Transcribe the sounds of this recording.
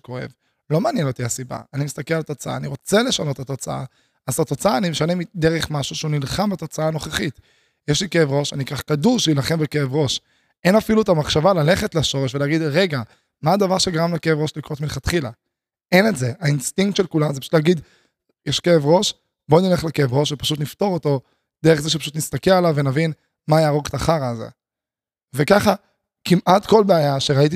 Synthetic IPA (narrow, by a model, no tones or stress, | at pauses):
koḛv | lo̞maːnjeno̞t̪iasiba̰animist̪akelalt̪o̞t͡saa̰ːniʁo̞t͡sele̞ʃano̞t̪at̪o̞t͡saa̰ | azat̪o̞t͡saaːnimeʃanemid̪eʁeχmaʃuʃeunilχambat̪o̞t͡saaːno̞χeχit̪ | jɛʃlikeevʁo̞ʃanikaχkaduʁʃeilaχe̞mbeke̞evʁo̞ʃ | enafiluet̪amaχʃavalale̞χetlaʃo̞ʁeʃveleːɡid̪ʁe̞ɡa | maːd̪avaʁʃeɡaʁamlake̞evʁo̞ʃlikʁotminχat̪χila̰ | enetzeainst̪iŋk̚t̪ʃelkulamzepḁʃu̥tlaɡid̪ | jɛʃkeevʁo̞ʃ | bonileχlekeevʁo̞ʃvepaʃutnifto̞ʁoto̞ | d̪̥eeχzeʃepaʃ̬ut̪nist̪akealavenavin | majaːʁoɡetaχaʁalzḛ | vekaχa | kimʔatko̞lbeajaʃeʁait̬i